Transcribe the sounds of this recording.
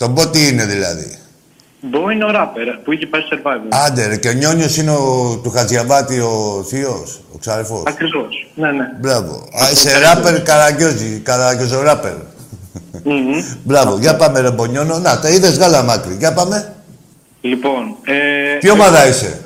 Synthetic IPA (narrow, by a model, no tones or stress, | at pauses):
t̪o̞bo̞t̪iineðilɐ̰ðḭ | boinoɾɐpeɾpuiçepɐseɾvɐvɐnd̪eɾce̞oɲo̞ɲosineot̪uxɐzʝavɐt̪io̞θioso̰ksɐefo̞̰sɐkɾivosnenebɾɐvo̰aiseɾapeɾkɐɾɐʝo̞zikalaʝozoɾɐpḛɾ̩ | bɾɐvoʝɐapɐmeðobo̞ɲononɐt̪eiðe̞zɣalɐmɐkɾiʝɐpɐme̞ | liponet̪iomaðɐise̞̰